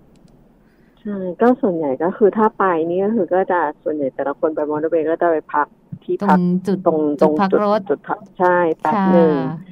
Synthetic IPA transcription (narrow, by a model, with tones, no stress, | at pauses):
t͡ɕʰa˥˩jkɔː˥˩su˨˩ənja˨˩jkɔː˥˩xʰɯː˧t̪ʰaː˥˩pa˧jniː˥˩kɔː˥˩xʰɯː˧kɔː˥˩t͡ɕa˨˩su˨˩ə˦nja˨˩jt̪ɛː˨˩la˧˦˥kʰo˧nba˧jmɔː˧ndo˧weː˧kɔː˥˩t͡ɕa˨˩pa˧jpʰa˦˥k̚t̪ʰiː˥˩a˦˨˩o˧ŋt̪o˧ŋt͡ɕu˨˩t͡ɕu˨˩t̪̚ʰːt͡ɕʰa˥˩jpɛː˨˩k̚nɯː˧ŋ